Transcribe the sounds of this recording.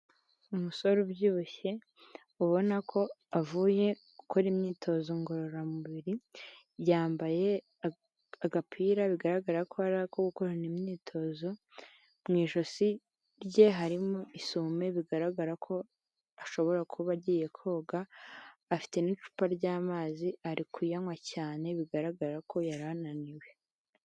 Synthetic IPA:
umuso̞ɾobjuːβoçe̞ | uβo̞nakʰo̞avuːje̞ | ukʰoɾimɲiːtʰo̞zo̞ŋɡo̞ɾoɾamuβiɾi | βjaːmbaje̞ | aɡapʰiːɾaβiɡaɾaɡaɾakʰo̞aɾakoɡuko̞ɾanimɲiːtʰo̞zo̞ | mŋiːʃo̞si | ɾɟe̞ɦaɾimoisuːme̞βiɡaɾaɡaɾakʰo̞ | aʃo̞βo̞ɾakʰuβaɟiːje̞kʰo̞ːɡaː | fi̥te̞nit͡ʃu̥paɾɟaːmaːziaɾikujaŋwacaːne̞βiɡaɾaɡaɾakʰo̞jaɾananiwe̞

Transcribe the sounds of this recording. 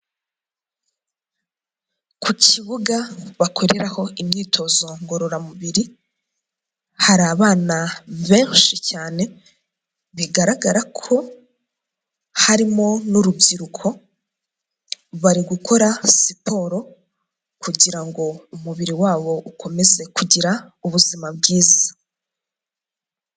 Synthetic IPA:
kʰucʰiβuɡaβakʰo̞ɾeɾaho̞imɲiːtʰo̞zo̞ŋɡo̞ɾo̞ɾamuβiɾi | haɾaːβaːnaβẽːʃicaːne̞ | βiɡaɾaɡaɾakʰo̞ | haɾimo̞nuɾubɟiɾukʰo̞ | βaɾiɡukʰo̞ɾasipʰo̞ɾo̞ | kuɟiɾaŋɡo̞umuβiɾiwaːβo̞ʔukʰo̞me̞ze̞kuɟiɾauβuzimabɡiːza

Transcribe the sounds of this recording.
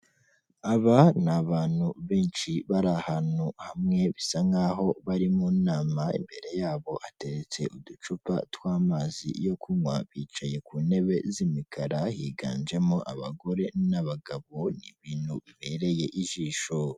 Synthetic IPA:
aβanaβaːnhuβeːnʃiβaɾahanuhamŋe̞βisaŋɡaɦo̞βaɾimuːnaːmaḭmbe̞ɾe̞jaːβo̞ʔate̞ɾet͡se̞ʔudut͡ʃupa̰twaːmaːzḭjo̞kʰuɲwaβiːt͡ʃaje̞kuːne̞βe̞zimikʰaɾahiːɡa̰ːnd͡ʒe̞moʔaβa̰ɡo̞ɾe̞naβaɡaβo̞niβiːnhuβiβe̞ɾe̞je̞ʔiʒiːʃo

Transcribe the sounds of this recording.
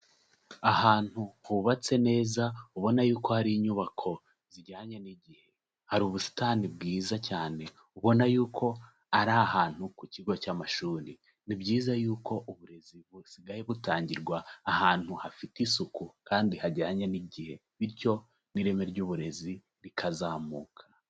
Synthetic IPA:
ahaːn̥huhuβat͡se̞ne̞ːzauβo̞najuːko̞haɾiːɲuβakʰo̞ | ziɟaːɲeniɟihe̞ | haɾuːβusi̥tanib̚ɡiːzacaːne̞ | uβo̞najuːkʰo̞ | aɾahaːn̥hukuciɡo̞caːmaʃuːɾi | nibɟiːzajuːko̞ʔuβuɾe̞ziβusiɡajeβutaːɲɟiɾɡwaːhaːn̥huhafitisukukaːndihaɟaːɲaniɟihe̞ | βiɾco̞ | niɾe̞me̞ɾɟuːβuɾe̞zi | ɾikʰazaːmuːkʰḁ

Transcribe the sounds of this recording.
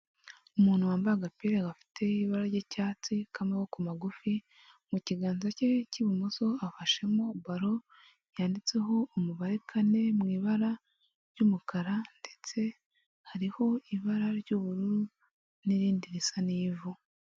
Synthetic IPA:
umuːn̥huwaːmbaɡapiɾeɡafi̥tʰe̞iβaɾaɾɟecaːt͡sikamewokumaɡufi | muciɡaːnzace̞ciβimuso̞afaʃe̞mobaɾo̞ | jaːndit͡se̞ɦo̞umuβaɾekʰane̞mŋiːβaɾa | ɾjɟuːmukaɾande̞t͡se̞ | haɾiho̞iβaɾaɾɟuβuɾuɾu | niɾiːndiɾisaniːvu

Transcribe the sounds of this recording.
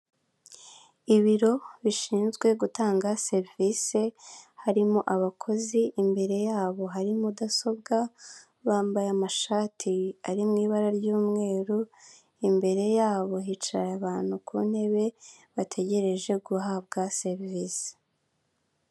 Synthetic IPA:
iβiɾo̞βiʃiːnzɡwe̞ɡutaːŋɡase̞ɾvise̞haɾimuʔaβakʰo̞ziʔimbe̞ɾe̞jaːβo̞ɦaɾimudaso̞b̚ɡa | βaːmbajamaʃaːtʰiaɾimŋiːβaɾaɾɟuːmŋe̞ːɾu | imbe̞ɾe̞jaːβo̞ɦit͡ʃaɾaβaːn̥hukʰunhe̞βe̞ | βatʰe̞ɟe̞ɾe̞ʒe̞ɡuɦab̚ɡase̞ɾviːse̥

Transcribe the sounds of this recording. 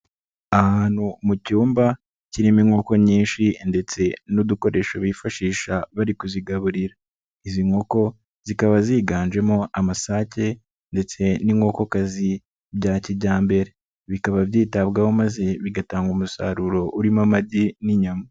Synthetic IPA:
ahaːn̥humucuːmba | ciɾimiŋo̞ko̞ɲiːnʃinde̞t͡se̞nud̪uko̞ɾe̞ːʃoβifaʃiːʃaβaɾikuziɡaβuɾiɾa | iziŋo̞ko̞ | z̥ikaβaziːɡaːnd͡ʒe̞mo̞ʔamasaːce̞ | nde̞t͡se̞niŋo̞ko̞kazi | bjaːcibɟaːmbe̞ɾe̞ | βikaβavjiːtaβɡaho̞maze̞βiɡataːŋɡumusa̰ɾuɾo̞ʔuɾimamadiniɲama

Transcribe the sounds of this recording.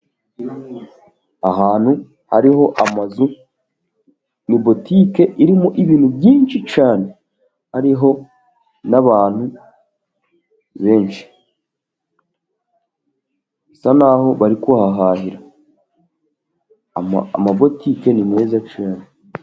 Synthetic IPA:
aɦaːn̥hu | ha̰ɾiɦo̞ʔamazu | nibo̞tike̞ʔiɾimuʔiβiːnhubjiːnʃit͡ʃaːne̞ | haɾiɦo̞ | naβaːn̥hu | βe̞ːnʃi̥ | sanaɦo̞βaɾikahaɦaːɦiɾa | amabo̞tiːke̞nime̞ːzat͡ʃaːne

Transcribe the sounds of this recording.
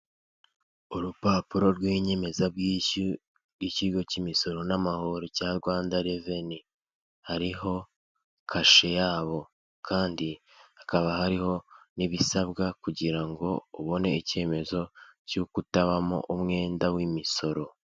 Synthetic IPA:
uɾupaːpuɾo̞ɾɡwiːɲe̞me̞zab̚ɡii | ɡiciɡo̞cimiso̞ɾo̞namaho̞ɾocaɾɡwaːndaɾeve̞ni | haɾiɦo̞ | kʰaʃe̞jaːβo̞ | kʰaːndi | akaβahaɾiho̞niβisaβɡakuɟiɾaŋɡo̞uβo̞ne̞ice̞ːme̞zo̞cukutaβamo̰ʔumŋe̞ːndawimiso̞ɾo̞

